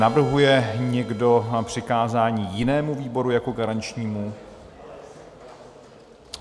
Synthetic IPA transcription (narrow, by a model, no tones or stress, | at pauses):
navr̩ɦujɛɲɛɡdo̞pr̝̥ɪkaːzaːɲiːjɪnɛːmuviːbo̞ɾujako̞ɡaɾant͡ʃɲiːmu